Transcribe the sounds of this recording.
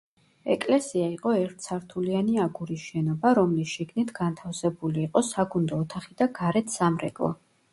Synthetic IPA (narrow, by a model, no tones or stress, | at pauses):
ɛkʼlɛsiaiqʼɔɛɾt̪ʰsʰaɾt̪ʰulianiaɡuɾisʃɛnɔbaɾɔmlisʃiɡnit̪ʰɡant̪ʰafsɛbuliːqʼɔsaɡund̪ɔːt̪ʰaχid̪̥aɡaɾɛt̪ʰsamɾɛ̰kʼlˠɔ̰